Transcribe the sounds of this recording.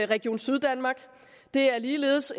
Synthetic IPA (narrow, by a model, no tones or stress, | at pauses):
ʁɛɡ̥ijo̝̰ːnsyðˠd̥ænmɑ̈ːɡ̥ | d̥e̝æɐliːle̝ːðˠs